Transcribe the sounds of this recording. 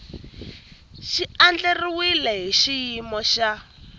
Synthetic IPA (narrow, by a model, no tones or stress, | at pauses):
ʃiand͡ɮeriwilɛɦiʃijimɔʃa